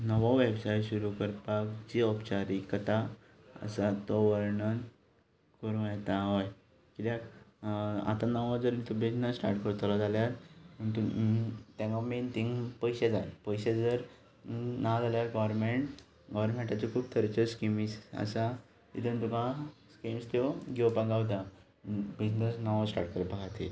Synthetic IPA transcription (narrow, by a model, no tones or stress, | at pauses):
nəʋɔʋebsajɕuɾukəɾpakt͡ɕiɔpt͡ɕaɾikət̪a | ə̰sat̪ɔʋəɾɳən | kəɾũjɛt̪aɦaj | kit̪jãk | a̰t̪anəʋãd͡zəɾit̪ubʱenasʈa̰ɾʈkəɾt̪lad͡zaljaɾməɳt̪ut̪jãŋɡament̪ʰĩŋɡpəjɕad͡zajpəjɕed͡zəɾ | nad͡zaljaɾɡaʋəɾmeɳʈ | ɡɔʋəɾmẽɳʈat͡ɕikʰuːb̚t̪ʰəɾt͡ɕəskimisa̰sa | it̪ənt̪ukãskimst̪eɡewpaɡawt̪̬a | bid͡ʑnəsnaʋasʈa̰ɾʈ̚kəɾpəkʰat̪ʰe